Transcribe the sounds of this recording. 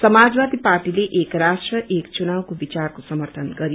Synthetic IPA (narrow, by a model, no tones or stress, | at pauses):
sʌmad͡zwad̪iparʈileʔekrasʈrʌʔekt͡sunawkobit͡sarkosʌmʌrt̪ʰʌnɡʌɾi